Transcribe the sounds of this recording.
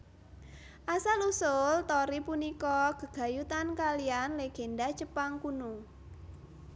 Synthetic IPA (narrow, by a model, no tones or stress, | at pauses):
ʔasalusʊlt̪ɔɾipunikɔɡ̥ə̤ɡ̥a̤jut̪ankalianleɡ̥e̤ndḁt͡ʃəpaŋkunuŋ